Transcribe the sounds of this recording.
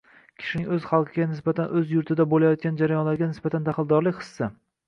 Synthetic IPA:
kʲʰɪ̥ʃɪnɪŋɵzχɑlˠqʰɨɡʲanɪsbat̪ʰanʔɵzjʊɾt̪ʰɪd̪abolajɒt̪̚kʲand͡ʒaɾajɒnlaɾɡʲanɪsbat̪ʰand̪aχɨlˠd̪ɒɾlɪkʲχɨ̥sːa

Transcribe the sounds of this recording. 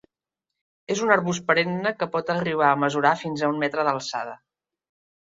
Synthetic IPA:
ezunəɾβuspəɾenːəkəpɔt̪əriβ̞aəməzuɾafinzəummɛt̪ɾəðəlˠsa̰ð̞ə

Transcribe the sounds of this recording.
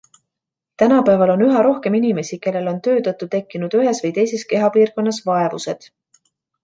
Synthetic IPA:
t̪ænɑpæːvɑlo̞nyɦɑɾo̞hke̞minime̞sike̞lːe̞lo̞nt̪ø̞ːt̪ɤt̪ːˑut̪e̞kːˑinud̪̥yɦe̞svɤjt̪e̞jse̞ske̞ɦɑpiːrko̞nːɑsvɑe̞vuse̞d̪̥

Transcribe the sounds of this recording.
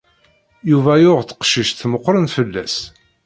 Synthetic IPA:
juvæjʊʁθə̥qʃiʃθməqːɾənfəlːæ̰s

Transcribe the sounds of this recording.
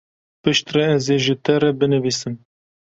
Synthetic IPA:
pɨʃt̪rɛɛzeʒɪt̪ɛrɛbɨnɨviːsɨm

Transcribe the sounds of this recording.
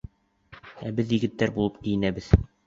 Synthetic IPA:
æbɘðjɘ̆ɡɘ̆t̪ːæɾbulˠɤpkijɘ̆næbɘð

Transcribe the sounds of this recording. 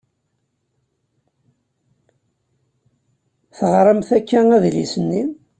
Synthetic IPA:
θəʁɾˤəmθækːææðlḭsənːin

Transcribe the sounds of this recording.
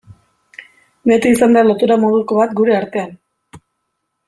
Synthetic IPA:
bet̪iisand̪alo̞t̪uɾamoðuko̞βat̪ɡuɾe̞aɾt̪e̞an

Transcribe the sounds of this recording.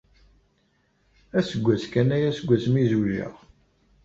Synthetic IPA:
æsəɡʷːæt͡skænæjæsəɡʷːæt͡smizuʒə̰ʁ

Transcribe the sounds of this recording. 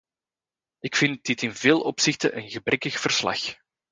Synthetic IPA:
ɪkfɪnt̚dɪtɪnveːlˠʔɔpsɪxtə̰ʔənɣəbrʔɛkəxv̥ər̥slɑ̰x

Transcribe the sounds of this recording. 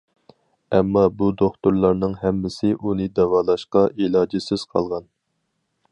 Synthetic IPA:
ɛmːɑbud̪oχt̪uɾlˠɑɾnɨŋɦɛmːɪsɪʔunɨd̪ɛwɑːlˠɑʃqɑʔilˠɑːd͡ʒɪsɪz̥qʰɑ̰lˠʁɑn

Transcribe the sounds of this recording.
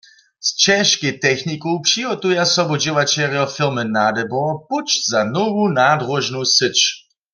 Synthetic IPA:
st͡ʃɛʃkit̪ɛxnikowpʂiɦɔt̪ujasɔbɔd͡ʑɪwat͡ʃɛʁjɔfɪʁmɨnad̪ɛbɔput͡ʃz̥anɔvunadʁɔʒnusɪt͡ʃ

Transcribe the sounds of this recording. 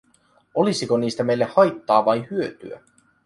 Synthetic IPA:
o̞lisiko̞niːst̪æme̞jlːe̞hhɑjt̪ːɑːʋɑjhyøt̪y̰æ̰

